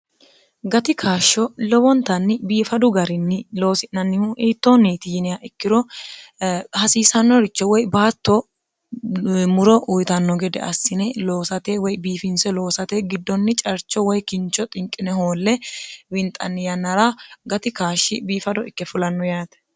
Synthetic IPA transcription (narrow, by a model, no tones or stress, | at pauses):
ɡɐt̪ɪkʰaːʃːɔlɔbɔnt̪ɐnːɪbiːfɐd̪ʊɡɐɾɪnːɪlo̞ːsɪnːɐnːɪhʊʔiːt̪ːoniːt̪ɪjɪnɪjaʔɪkːɪɾɔ | hɐsiːsɐnːɔɾɪt͡ʃːɔwɔjbaːt̪ːɔ | mʊɾɔʔʊjt̪ɐnːɔɡɛd̪ɛ̰ʔɐsːɪnɛlo̞ːsɐt̪eːwɔjbiːfɪnsɛlo̞ːsɐt̪eːɡɪd̪ːɔnːɪt͡ʃʼɐɾt͡ʃːɔwɔjkɪnt͡ʃɔt̪ʼɪŋkʼɪnɛhoːlːɛwɪnt̪ʼɐnːɪjɐnːɐɾaɡɐt̪ɪkaːʃːɪbiːfɐd̪ɔɪkːɛfʊlɐnːɔjaːt̪ɛ̥